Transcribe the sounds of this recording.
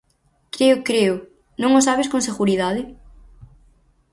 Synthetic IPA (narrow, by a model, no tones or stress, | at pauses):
kɾeʊkɾeʊ | nõŋʊsaβɪskõŋs̬eɣuɾiðaðɪ